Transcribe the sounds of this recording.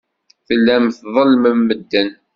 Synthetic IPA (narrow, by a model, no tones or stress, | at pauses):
θəlːæmθðˤəlːməmːəd̪ːən